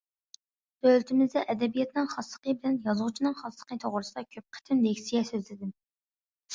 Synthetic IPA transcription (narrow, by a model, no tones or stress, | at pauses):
bølt̪ʰɪmɪzd̪ɛʔɛd̪ɛbijɛt̪nɨŋχɑslˠə̥qʰəbɪlɛnjɑzʁʊt͡ʃʰinɨŋχɑslˠə̥qət̪ʰoʁɾɨsɨd̪ɑkʲʰøp̚qʰə̥t̪ʰɪmd̪ɛkʲsijɛsøzlɪd̪ɪm